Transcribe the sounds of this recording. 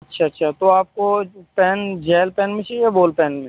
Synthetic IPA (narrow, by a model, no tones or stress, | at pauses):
ɐtːʃʰaɐtːʃʰat̪oaːp̚kopɛːnd͡ʒɛːlpɛːnmẽt͡ʃiɛboːlpɛːnmẽ